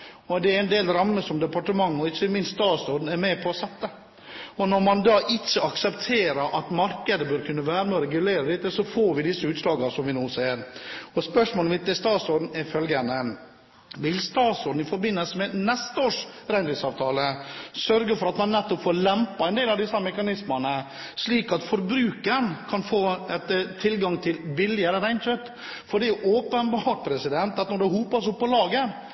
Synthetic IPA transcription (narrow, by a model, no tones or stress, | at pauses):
ɔd̪ɛɛɾɛnd̪eːlɾɑmːəsɔmd̪ɛpɑʈəmɑŋːɔɪt͡ʃːəmɪnst̪ɑːsɔːd̪n̩ɛɾmeːpʰɔːsɛt̪ːə | ɔnɔɾmɑnd̪ɑːʔɪt͡ʃːəɑksɛpt̪ʰeːɾəɾʔɑt̪mɑɾkəd̪əbøɾkʰʉnːəʋæːɾəmɛɔɾɛɡʉleːɾəd̪ɪt̪ːəsɔfoːɾʋɪd̪ɪsːəʉːt̪slɑːɡɑsɔmʋɪnuːseːɾɔspœʂmoːlmɪt̪ːɛst̪ɑːsɔɖ̪n̩ɛɾfœlɡənə | ʋɪlst̪ɑːt̪sɔɾɖ̪n̩ɪfɔɾbɪnːəlsəmɛnɛst̪əoːʂ | ɾæɪnɾɪŋsɑːʋt̪ʰɑːləsœɾɡəfɔɾɑt̪mɑnːɛt̪ːɔpfoːɾlɛmpɑɛnd̪eːlɑʋd̪ɪsːɑmɛkɑnɪsmənə | sliːkɑt̪fɔɾbɾʉːkənkʰɑnfoːɛt̪t̪ʰːɪlɡɑŋt̪ʰɪlbɪlːɪəɾəɾæɪnt͡ʃœt̪ː | fɔɖɛʔoːpənbɑʈ̚pʰɾɛsɪd̪ɛnt̪ɑt̪nɔɖ̪ɛhuːpɑsʊpːɔlɑːɡə